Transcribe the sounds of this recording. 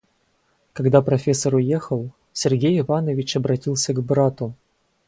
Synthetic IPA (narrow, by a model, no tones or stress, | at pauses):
kɐɡd̪apɾɐfʲesːɐɾʊjexəlˠ | sʲɛrɡʲejɪvanəvʲɪt͡ɕɐbɾɐtʲilˠsʲəɡbɾat̪ʊ